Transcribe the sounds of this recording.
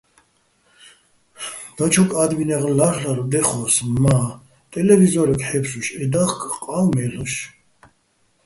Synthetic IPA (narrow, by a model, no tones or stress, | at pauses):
d̪̥at͡ʃʰɔkʼad̪minɛʁlaχlaɾɔd̪ɛχɔsma | t̪ʼɛlɛvizɔɾɛkʰʼħɛpsuʃɛd̪aχkʰʼqʼalmɛluʃ